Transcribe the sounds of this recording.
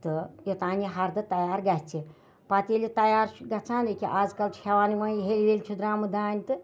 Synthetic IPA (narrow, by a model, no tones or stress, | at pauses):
t̪ɨjet̪aːnʲiɦɐɾd̪ɐt̪ɐjaːɾɡat͡se | pat̪ʲelʲit̪ɐjaːɾɡɐt͡saːnekʲiʔad͡zkɐlʃʰɐʋaːniʋɐɦelʲlelʲt͡ʃʰud̪ɾaːmɨd̪aːnʲt̪ɨ